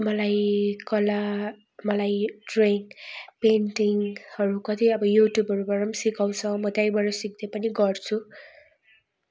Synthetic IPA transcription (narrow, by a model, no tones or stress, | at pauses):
mʌlajkʌla | mʌlajɖreŋpenʈiŋhʌɾukʌt̪iʌbʌjuʈjubɦʌɾubʌɾʌmsikaw̃t͡sʰʌmʌt̪ajbʌɾʌsik̚d̪epʌniɡʌrt͡sʰu